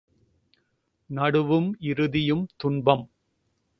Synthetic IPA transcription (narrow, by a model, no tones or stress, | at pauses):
nɐɽɯʋɯmɪɾɯðɪjɯmt̪ʊɳbɐm